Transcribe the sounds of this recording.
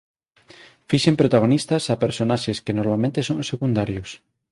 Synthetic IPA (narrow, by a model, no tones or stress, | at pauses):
fiʃempɾot̪aɣ̞onist̪ɐsapeɾsonaʃeskenoɾmalmẽnt̪esõŋsekund̪aɾjʊs